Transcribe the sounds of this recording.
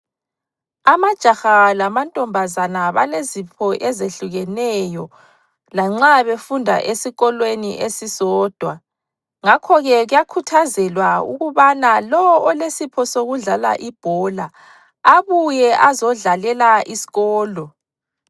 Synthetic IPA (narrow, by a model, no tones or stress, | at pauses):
amad̥ʒ̥ʱaxalamantʼɔmbʱazanaβalezipʰɔʔɛzeɬuɣɛnɛjɔ | laŋ͡ǁaβefundʱa̰ʔesiɣɔlwenḭʔesisɔːd̥ʱwa | ŋakʰɔɣɛɣujakʰutʰazɛlwaṵɣuβanalɔwɔlesipʰɔsoɣuɮala̰ʔib̥ʱɔla | aβujɛʔazɔɮalɛlaʔisi̥ɣɔːlɔ